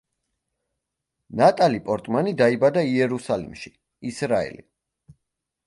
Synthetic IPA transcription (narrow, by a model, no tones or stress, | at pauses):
nat̪ʼalipʼɔɾt̪ʼmanid̪aibad̪aiɛɾusalḭmʃi | isɾaɛ̰lḭ